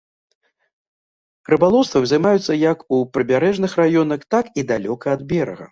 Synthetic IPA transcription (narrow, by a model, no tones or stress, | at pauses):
ɾɨbalˠɔwst̪vɐwʲzɐjmajut̪sːɐjɐkupɾɨbʲaɾɛʐnɨxrajɔnɐxt̪akid̪alʲɔkɐːd̪̚bʲɛɾɐ̰ɣɐ̰